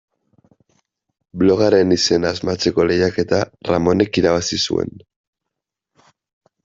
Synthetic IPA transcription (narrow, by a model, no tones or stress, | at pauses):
blo̞ɣaɾe̞nise̞naːzmat͡se̞ko̞le̞jake̞t̪ara̰mo̞ne̞kiɾaβasisṵe̞̰n